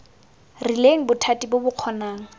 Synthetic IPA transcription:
rileŋ̩bʊtʰatʼibʊbʊq͡χʰɔnaːŋ̩

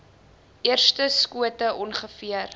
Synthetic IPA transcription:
ʔiərstəskuətəʔɔnχəfiər

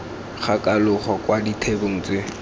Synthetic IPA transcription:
χakʼalʊχɔkwaditʰeboŋ̩t͡sɪ

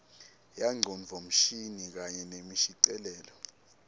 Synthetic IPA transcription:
jaŋ͡ǀʱɔɱvʱɔm̩ʃinik̬aɲɛnemiʃiǀɛlɛːlɔ

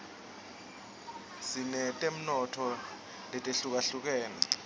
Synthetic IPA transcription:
sinɛtʼem̩nɔtʰɔ | lɛtʼeɬuk̬aɬuk̬ɛːnɛ̰

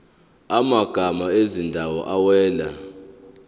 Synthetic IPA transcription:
amaɡ̥ʱamaezindʱawɔ̰ʔawɛːla̰

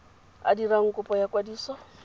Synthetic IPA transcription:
a̰diraŋ̩kʼʊpʼɔjakʼwadiːsɔ

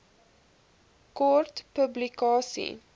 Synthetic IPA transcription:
kɔrtpɵblikɑːsḭ

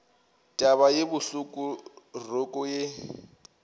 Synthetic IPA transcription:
tʼaβajebʊɬʊkʼʊrʊkʼʊje

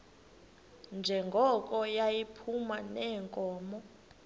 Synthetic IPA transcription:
nd͡ʒʱɛŋɡʱɔk̬ʼɔjajipʰumanɛːŋkʼɔːmɔ

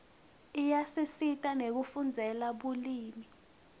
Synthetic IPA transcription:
ijasisitʼanek̬ufund͡zʱɛlaɓuliːmi

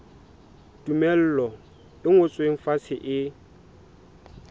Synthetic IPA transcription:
tumɛl̩lɔ | ɪŋʊt͡sʼweŋ̩fasɪʔɪ

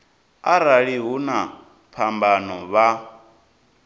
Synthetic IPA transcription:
aɾaɺiɦuna | pʰambanɔβa

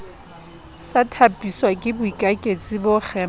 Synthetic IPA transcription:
satʰapʼiswakʼɪbʊikʼakʼet͡sʼɪbʊχʰɛ

